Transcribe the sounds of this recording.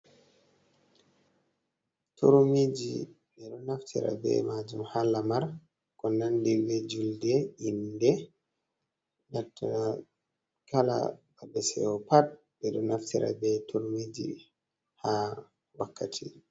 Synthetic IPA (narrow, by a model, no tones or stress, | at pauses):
tuɾmid͡ʒi | ɓɛɗɔnaftʰḭɾa̰bɛ̰mad͡ʒumhalamaɾ | kɔnandiwed͡ʒuldɛindɛ | natːaa | kala̰babɛsɛ̰ɔpat̚ | bɛɗɔnaftiɾʔa̰bɛtʰuɾmid͡ʒḭ | ha | wakʰːatʰi